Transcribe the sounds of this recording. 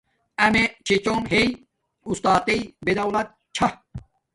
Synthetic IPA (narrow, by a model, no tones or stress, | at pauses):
ɐmet͡ɕʰit͡ɕomɦej | ust̪aːt̪ejbed̪ɐwlɐt̪̚ | t͡ɕʰɐ